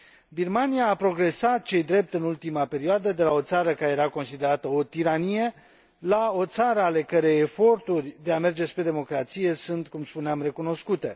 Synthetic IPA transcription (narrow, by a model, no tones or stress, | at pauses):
birmanijaːpɾo̞ɡɾe̞sat̪̚t͡ʃe̞jd̪ɾe̞p̚t̪ɨnult̪imape̞ɾioad̪əd̪e̞lao̞t̪saɾəkaɾejeɾako̞nsid̪e̞ɾat̪əo̞t̪iɾanije̞ | lao̞t̪saɾəale̞kəɾejefo̞rt̪urʲd̪e̞ame̞rd͡ʒe̞spɾe̞d̪e̞mo̞kɾat̪sije̞sunt̪kumspuneamre̞kuno̞skut̪e̞